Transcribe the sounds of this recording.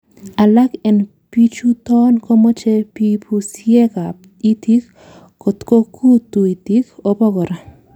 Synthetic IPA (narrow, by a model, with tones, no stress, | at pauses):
a˨la˦kɛ˨n | pi˦t͡ʃu˦tɔ˦nkɔ˦mɔ˦t͡ʃe˦pipʰu˨sje˦ka˨ | i˦t̪i˦k | kɔ˨t̪ko˦kʰu˦t̪u˨i˨ti˦ko˦pɔ˦ɡɔ˨ɾa˨